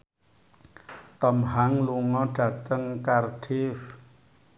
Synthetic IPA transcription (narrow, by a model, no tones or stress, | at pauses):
t̪ɔmɦaŋluŋɔɖ̥ä̤t̪əŋkarɖ̥ɪf